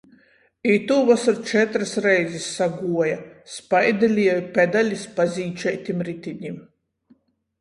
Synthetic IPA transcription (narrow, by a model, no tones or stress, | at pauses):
it̪uːvasaɾt͡ʃɛt̪ɾasɾɛjzisːaɡuɔjaspajd̪ɛlʲiɛjupʲɛd̪alʲispazʲiːt͡ʃɛjt̪ʲimɾit̪ʲiɲʲim